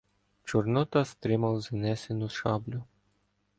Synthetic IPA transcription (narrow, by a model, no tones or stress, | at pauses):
t͡ʃʊrnɔt̪ɐst̪ɾɪmɐwznɛsʲenʊʃɑblʲʊ